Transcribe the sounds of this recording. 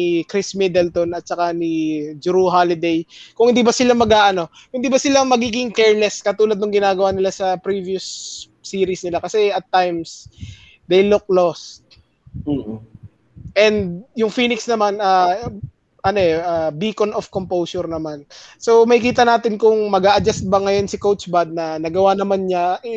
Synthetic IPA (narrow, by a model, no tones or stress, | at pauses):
nikɾismɛd̪ɛlt̪onɐt̪̚t͡ʃɐkanɪd͡ʒʊɾuɦalɪd̪ɛjkʊŋhɪnd̪ibɐsɪlamɐɡaːʔɐno̞ | hɪnd̪ibɐsɪlamɐɡiːɡɪŋkɛɹlɛskɐt̪uːlɐd̪nʊŋɡɪnaːɡɐwanɪlasɐpɾiːvijʊsː | iːɾisnɪlakɐsɛɐt̪ːajms | d̪ejlʊk̚lost̪̩̚ː | ʔɛnd̪̚jʊŋfiːnɪksnɐmana | ʔɐno̞ʔɛʔabiːkonofkompowsʊɾnɐmanso̞mɐhɪkiːt̪ɐnaːt̪ɪnkʊŋmɐɡaːʔɐd͡ʒast̪̚bɐŋɐjo̞nsɪkowt͡ʃbad̪̚nɐnɐɡɐwanɐmanɲaʔɛ